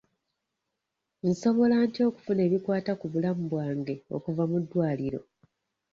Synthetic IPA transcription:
n̩so̞βo̞laːntio̞ːku̥fune̞ːβikwaːtakuβulamubwaːŋɡe̞o̞̰kuvamudːwaːliɾo̞̰

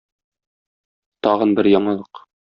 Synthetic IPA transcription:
t̪ɒʁɤ̆nbɘɾjɒɴɤ̆lˠɤq

